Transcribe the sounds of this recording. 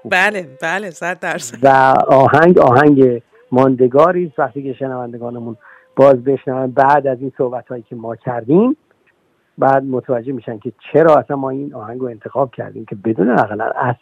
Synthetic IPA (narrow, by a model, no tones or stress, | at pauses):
bælebælesæt̪d̪æɾsvæɒːhæŋɟɒːɦæŋɟe | mɒːnd̪e̞ɡɒːɾiːst̪væxt̪iːce̞ʃenævænd̪eɡɒːnemun | b̥ɒːzbe̞ʃnævæmbæʔd̪æziːnsohbæt̪hɒːjiːcʰe̞mɒːcʰæɾd̪iːm | bæːd̪̚mot̪ʰævæd͡ʒːehmiːʃæn̚cʰe̞t͡ʃʰeɾɒːæsænmːɒːiːnɒːhæŋɡɾoe̞nt̪ʰe̞xɒːb̥̚cʰæ̰ɾd̪iːmcʰe̞be̞d̪uːneæɣlæ̰næs